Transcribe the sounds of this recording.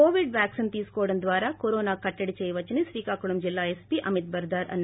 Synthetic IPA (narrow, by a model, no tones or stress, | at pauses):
oːʋiɖʋjaːksint̪iːskoːɽɐnd̪ʋaːɾaːkoɾoːnaːkɐʈːɐɽit͡ʃejʋɐt͡ʃɐnisʋiːkaːkuɽɐmd͡ʒilːaːespiʔɐmit̪̚bɐɾd̪aːɾɐ̰nː